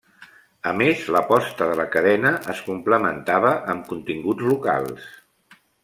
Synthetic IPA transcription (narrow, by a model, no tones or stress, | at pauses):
əmezləpɔst̪əðələkəðɛnəʔəskumpləmənt̪aβəʔəmkunt̪iŋɡud͡zluka̰lˠs